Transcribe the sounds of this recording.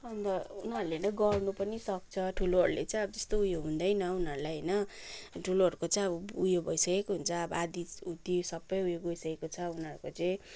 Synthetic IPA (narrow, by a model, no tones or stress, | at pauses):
ʌnd̪ʌunɦʌɾulenʌɡʌrnupʌnisʌk̚t͡sʰʌʈʰuloɦʌɾulet͡saĩʌbʌd͡zʌst̪oujoɦũnd̪ʌjnʌunʌɾulajɦʌjnʌʈʰuloɦʌɾukot͡sʌj̃ʌbʌujobʱʌjsʌkekoɦunt͡sʰʌːbʌad̪iut̪isʌbːʌjujoɡojsʌkekot͡sʰʌunʌɾukot͡sʌĩ